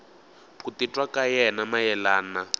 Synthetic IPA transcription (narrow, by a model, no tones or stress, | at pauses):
pʰutitʼwakajɛnamajɛlaːna